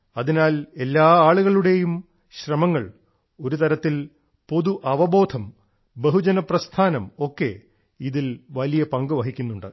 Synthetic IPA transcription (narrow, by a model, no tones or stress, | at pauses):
ɐðinaːle̞lːaːaːɭuɣɐɭuɽe̞jum | ɕrɐmɐŋːɐɭ | o̞ɾut̪ɐɾɐt̪ːil | po̞ðuʔɐʋɐbo̞ːd̪ʰʱɐm | beɦud͡ʑɐnɐprɐst̪ʰaːnɐmo̞kːe̞̰ | iðilʋɐlijɐpɐŋɡuʋɐɦikʲːunːuɳɖɨ